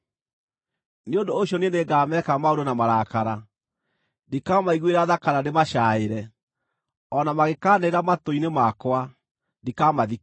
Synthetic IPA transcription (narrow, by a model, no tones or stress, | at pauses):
neondooɕjɔneneɡaːmɛkamaoɾonamaɾakaɾa | ndikamaiɣweɾaðakaɾandemaʃaeɾɛ | ɔnamaɣekaːneɾamatoinemakwa | ndikamaði